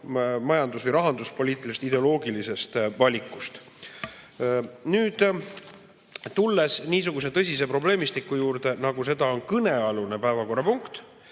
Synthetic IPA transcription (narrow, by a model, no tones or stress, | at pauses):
mɑjɑnd̪usvɯjɾɑɦɑnd̪uspo̞lʲiːt̪ːˑilist̪id̪e̞olo̞ːɡilise̞st̪vɑlʲikːˑu̥st̪ | nyːd̪̥ | t̪ulːe̞sniːs̬uɡ̥use̞t̪ɤ̞sʲis̬e̞pro̞ble̞ːmist̪ikːˑujuːɾt̪enɑɡuse̞d̪̥ɑo̞nkɤne̞ɑlune̞pæevɑko̞rːɑpuŋkt̪